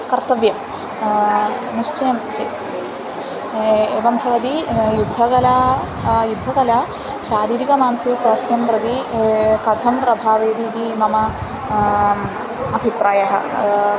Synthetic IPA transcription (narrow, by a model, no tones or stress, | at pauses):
kɐɾt̪ɐʋjɐm | niʂt͡ʃɐjɐmt͡ʃe | eːʋɐmbʱɐʋɐt̪ijud̪ʱːɐkɐlaː | jud̪ʱːɐkɐlaː | ʃaːɾiːɾikɐmaːnsjɐswaːst̪ʰjɐmpɾɐd̪ikɐd̪ʱɐmpɾɐbʱaːʋeːd̪iːt̪imɐmɐ | ɐbʱipɾaːjɐɦɐ̰̆